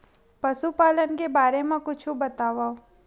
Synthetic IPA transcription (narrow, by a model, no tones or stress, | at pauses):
pɐsupaːlənkebaːɾemãkʊt͡ʃʰubɐt̪aːʋao